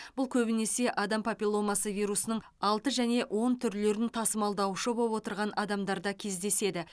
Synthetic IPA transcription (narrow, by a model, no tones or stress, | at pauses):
b̥ʊlˠkʲʰɵbɪne̞se̞ʔɑd̪ɑmpʰapʲilˠo̞mɑsəvijɾusənəɴ | ɑlˠt̪əʒæne̞ʔwʔo̞nt̪ʰʏɾle̞ɾɪnt̪ʰɑsəmɑlˠd̪ɑwʃəbowo̞t̪əɾʁɑnʔɑd̪ɑmd̪ɑɾd̪ɑkʲʰe̞zd̪e̞se̞d̪ɪ